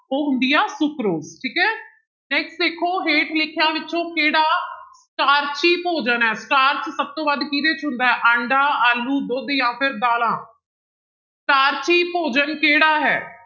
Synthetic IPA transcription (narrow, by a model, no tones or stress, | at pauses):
oːɦʊnd̪ijaːsʊkɾoːsʈʰiːkɛː | nɛːksʈd̪eːkʰoːɦeːʈlɪkʰːjãːʋɪt͡ʃõːkeːɽaːsʈaːɾt͡ʃiːpoːd͡ʒənɦɛːsʈaːɾt͡ʃsəb̚t̪oːbad̪kiːɾeːt͡ʃɦʊ̃nd̪aːɦɛːʔəɳɖaːaːlːuːd̪ʊd̪jãːpʰɪɾd̪aːlãː | sʈaːɾt͡ʃiːpoːd͡ʒənkeːɽaːɦɛ̰ː